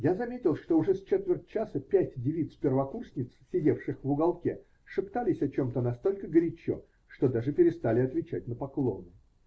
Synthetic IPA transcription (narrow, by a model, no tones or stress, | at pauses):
jazɐmʲetʲɪlˠʂt̪o̞ʊʐɛst͡ɕet̪vʲɪrt̚ʲt͡ɕasəpʲætʲdʲɪvʲit̪spʲɪrvɐkursʲnʲɪt̪ssʲɪdʲe̞fʂɨxvʊɡɐlˠkʲḛ | ʂɨpt̪alʲɪsʲɐt͡ɕo̞mt̪ənɐst̪o̞lʲkəɡəɾʲɪt͡ɕo̰ | ʂt̪od̪aʐɨpʲɪɾʲɪst̪alʲɪɐt̪vʲɪt͡ɕætʲnəpɐklˠonɨ